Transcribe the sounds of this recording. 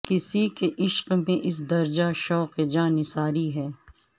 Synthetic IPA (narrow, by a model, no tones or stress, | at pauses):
kɪsikeʔɪʃqmẽʔɪs̬d̪ɐɾd͡ʒaʃɔːqed͡ʒãːnɪsaːɾiɦɛː